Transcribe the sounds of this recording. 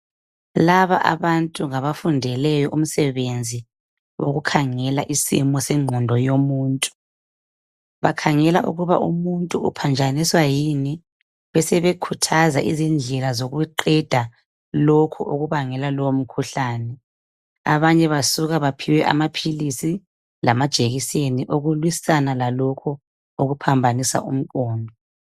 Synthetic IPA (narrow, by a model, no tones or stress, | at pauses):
laβa̰ʔa̰βantʼuŋaβafundʱɛlɛjɔʔum̩sɛβend͡zʱi | wo̰ɣukʰaŋɛlaʔisḭmɔsɛŋ͡ǃʱɔndʱɔjomuːntʼu̥ | βakʰaŋɛlaʔṵɣuβa̰ʔṵmuntʼuupʰand͡ʒʱaniswajini | βɛsɛβekʰutʰazaʔizind͡ɮʱɛlazoɣuǃɛd̥ʱa | lokʰuʔoɣuβaŋɛlalɔwom̩kʰuɬaːnɛ | a̰βaɲɛβasuɣaβapʰiwɛʔa̰mapʰilisi | lamad̥ʒ̥ʱeɣiseniʔoɣulwisanalalɔkʰɔ | oɣupʰambʱanisa̰ʔṵm̩kɔːndʱɔ